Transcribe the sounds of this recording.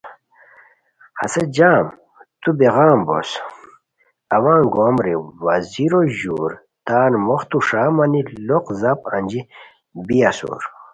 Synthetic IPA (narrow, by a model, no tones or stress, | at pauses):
hɐ̰sed͡ʑaːm | t̪ubeʁaːmbo̰s | ɐwãːŋɡoːmɾiwaziɾoʑuːɾ | t̪aːnmoxt̪uʂaːmaniloqzapɐ̰nd͡ʑi | biasṵːɾ